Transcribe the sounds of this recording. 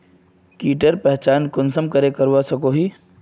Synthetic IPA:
kiːʈəɾpɛɦt͡ʃaːnkʊnsəmkəɾekəɾwasəkoɦiː

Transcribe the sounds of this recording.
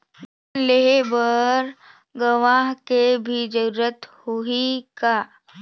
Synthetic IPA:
leɦebəɾ | ɡəʋaːɦkebʱid͡ʒəɾuɾət̪hoika

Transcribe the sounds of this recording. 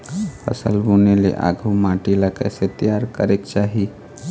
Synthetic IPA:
pʰə̰sə̰lbunelḛʔa̰ɡʱumãʈiləkə̰set̪ijaɾkəɾekt͡ʃaːɦi

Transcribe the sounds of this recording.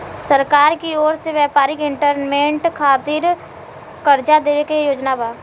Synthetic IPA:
səɾkaːɾkioːɾseʋjɛːpaːɾɪkɪ̃ɳʈəɾnmẽːɳʈkʰaːt̪ɪːɾ | kəɾd͡ʒad̪eːʋekejoːd͡ʒnabaː

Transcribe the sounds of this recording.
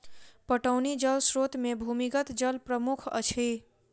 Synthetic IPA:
pəʈəwnid͡ʒəlsɾot̪mebʱumiɡət̪d͡ʒəlpɾəmukʰə̰t͡ʃʰe

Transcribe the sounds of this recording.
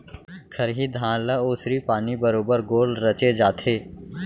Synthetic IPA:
kʰɐɾɦid̪ʱãːlaoːsɾipaːnibəɾoːbəɾɡoːlɾɐt͡ʃed͡ʒaːt̪ʰeː

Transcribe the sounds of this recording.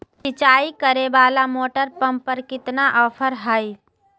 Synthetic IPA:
sɪt͡ʃaːikəɾebaːlamoːʈəɾpə̃mpəɾkɪt̪naʔɔːpʰəɾɦəi

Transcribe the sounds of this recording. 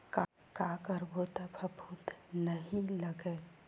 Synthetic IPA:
ka | kakəɾbʱot̪apʰɐbʱut̪nəɦĩləɡe

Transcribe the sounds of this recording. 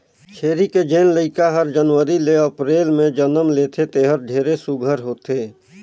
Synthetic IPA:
t͡ʃʰeːɾiked͡ʒeːnləɪkaɦəɾd͡ʒənʋəɾileəpɾeːlmẽd͡ʒənəmleːt̪ʰet̪eːɦəɾɖʱeːɾesʊɡʱəɾɦoːt̪eː

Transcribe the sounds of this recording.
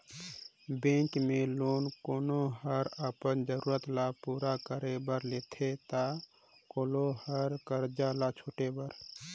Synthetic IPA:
bẽːŋkmeloːnkoːnoɦəɾəpənd͡ʒəɾuːɾət̪lapuːɾakəɾebəɾleːt̪ʰet̪a | koːlohəɾkəɾd͡ʒalat͡ʃʰoːʈebəɾ

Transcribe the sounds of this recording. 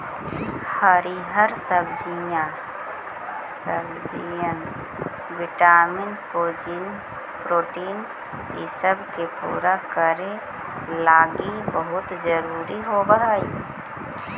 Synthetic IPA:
həɾiɦəɾsəbd͡ʒijã | səbd͡ʒijən | ʋɪʈaːmɪnpoːd͡ʒin | pɾoːʈiːn | isəbkepṵːɾakəɾe | laːɡibəɦʊt̪d͡ʒəɾuːɾiɦobəɦaːi

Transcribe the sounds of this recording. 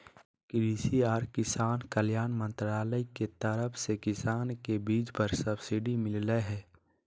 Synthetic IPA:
kɾiːsiaːɾkɪsaːnkəljaːnmə̃nt̪ɾaːləiket̪əɾəfʰsekɪsaːnkebiːd͡ʒpəɾsəbsɪɖimɪlləɦɛː

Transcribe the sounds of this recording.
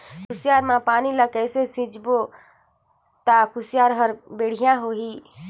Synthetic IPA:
kʊsɪjaːɾmãpaːnilakɛːsesɪ̃d͡ʒbo | t̪akʊsjaːɾɦəɾbeːɽ̤ijãɦoɦiː

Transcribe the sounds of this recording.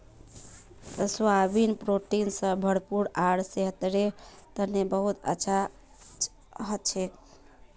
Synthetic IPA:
swabinpɾoʈinsə̃bʱəɽpuɾaɽseɦt̪ɾet̪ənebəɦut̪ə̰ːt͡ʃʰa | ɦət̪̚t͡ʃʰɛ

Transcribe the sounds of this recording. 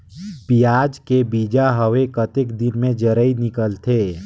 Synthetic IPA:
pijaːd͡ʒkebid͡ʒaɦəʋekət̪ekd̪ɪnmẽd͡ʒəɾəinɪkəlt̪ʰeː

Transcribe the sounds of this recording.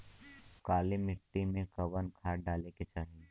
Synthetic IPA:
kaːlimɪʈːimẽkɐʋənkʰaːɖaːleket͡ʃaːɦi

